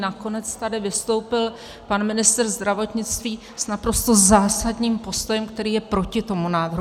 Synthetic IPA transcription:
nako̞nɛt͡st̪adɪvɪst̪o̞wpɪl | panmɪnɪst̪ɛrzd̪ɾavo̞t̪ɲɪt͡st̪viː | snapɾo̞st̪o̞zaːsadɲiːmpo̞st̪o̞jɛmkt̪ɛɾiːjɛpɾo̞cɪt̪o̞munaːd̪ɾ

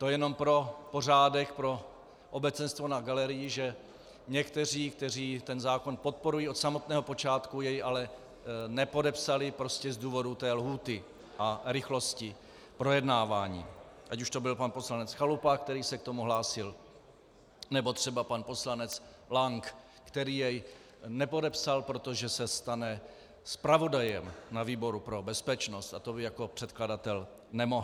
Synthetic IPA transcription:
t̪o̞jɛno̞mpɾo̞po̞r̝aːdɛkpɾo̞ | ʔobɛt͡sɛnst̪vo̞naɡalɛɾɪjɪʒɛ | ɲɛkt̪ɛr̝iːk̚t̪ɛr̝iːt̪ɛnzaːko̞npo̞t̪̚po̞ɾujiːo̞t̪samo̞t̪nɛːɦo̞po̞t͡ʃaːt̪kujɛjalɛ | nɛpo̞dɛpsalɪpɾo̞scɛzduːvo̞dut̪ɛːlɦuːt̪ɪ | ʔaɾɪxlo̞scɪ | pɾo̞jɛdnaːvaːɲḭːʔacuʃt̪o̞bɪlpanpo̞slanɛt͡sxalupak̚t̪ɛɾiːsɛk̚t̪omuɦlaːsɪl | nɛbo̞t̪r̥ɛbapanpo̞slanɛt͡s | laŋk | kt̪ɛɾiːjɛj | nɛpo̞dɛpsalpɾo̞t̪oʒɛsɛst̪anɛ | spɾavo̞dajɛmnaviːbo̞ɾupɾo̞bɛspɛt͡ʃno̞st̪at̪o̞bɪjako̞pr̥ɛt̪kladat̪ɛl | nɛmo̞ɦ

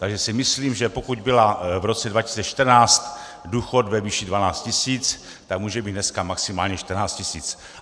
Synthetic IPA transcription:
t̪aɡʒɛsɪmɪsliːmʒɛpo̞kuɟbɪlavɾot͡sɛdvaci̥siːt͡sɛʃt̪r̩naːt͡st̪ | duːxot̪vɛviːʃidvanaːt͡st̪̚cɪsiːt͡s | t̪akmuːʒɛbiːt̪nɛskamaksɪmaːlɲɛʃt̪rnaːt͡st̪cɪsḭːt͡s

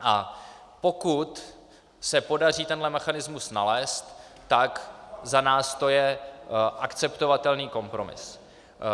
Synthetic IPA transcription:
ʔapo̞kut̪ | sɛpo̞dar̝iːt̪ɛnɦlɛmɛxanɪzmusnalɛːst̪ː | akzanaːst̪o̞jɛʔakt͡sɛpt̪o̞vat̪ɛlniːko̞mpɾo̞mɪ̰s

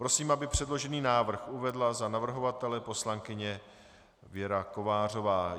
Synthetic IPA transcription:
pɾo̞siːmabɪpr̝̥ɛdlo̞ʒɛniːnaːvr̩xʔuvɛdlazanavr̩ɦo̞vat̪ɛlɛpo̞slaŋkɪɲɛ | vjɛɾako̞vaːr̝o̞vaː

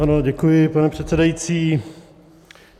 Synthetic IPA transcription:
anoɟɛkujɪpanɛpr̝̥ɛt̪sɛdajit͡siː

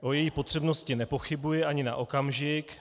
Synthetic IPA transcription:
ʔo̞jɛjiːpo̞t̪r̝̥ɛbno̞scɪnɛpo̞xɪbujɛʔaɲɪna̰ʔokamʒɪk

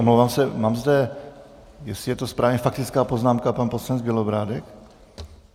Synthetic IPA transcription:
ʔomlowvaːmsɛmaːmzdɛ | jɛsɪjɛt̪ospɾaːvɲɛfak̚t̪ɪt͡skaːpoznaːmkapanposlanɛd͡zbɪlobɾaːdɛk

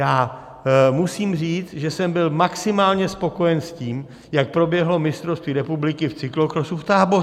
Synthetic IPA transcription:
jaː | musiːmriːt͡s̪ʒɛsɛmbɪlmaksɪmaːlɲɛspo̞ko̞jɛnsciːm | jak̚pɾo̞bjɛɦlo̞mɪst̪ɾofst̪viːɾɛpublɪkɪft͡sɪklokɾosuft̪aːbo

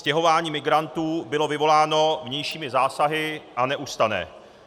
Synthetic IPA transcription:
scɛɦo̞vaːɲiːmɪɡɾant̪uːbɪlo̞vɪvo̞laːno̞vɲɛjʃiːmɪzaːsaɦɪʔanɛʔust̪anɛ̰ː

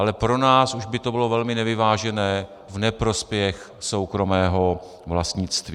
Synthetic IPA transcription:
alɛpɾo̞naːsuʒbɪt̪o̞bɪlo̞vɛlmɪnɛvɪvaːʒɛnɛː | vnɛpɾo̞spjɛx | so̞wkɾo̞mɛːɦo̞ | vlast̪ɲɪt͡st̪vi

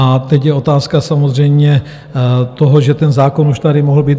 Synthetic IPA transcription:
ʔat̪ɛcjɛo̞t̪aːskasamozr̝ɛjmɲɛ | t̪oɦoʒɛt̪ɛnzaːkonuʃt̪aɾɪmoɦl̩biːt̪

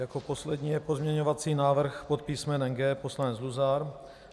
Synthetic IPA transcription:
jako̞po̞slɛd̪ɲiːjɛpo̞zmɲɛɲo̞vat͡siːnaːvr̩xpo̞t̪̚piːsmɛnɛŋɡɛːpo̞slanɛt͡sluzaɾ

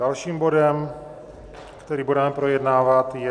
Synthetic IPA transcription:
alʃiːmbo̞dɛm | kt̪ɛɾiːbudɛmɛpɾo̞jɛdnaːvat̪jɛ

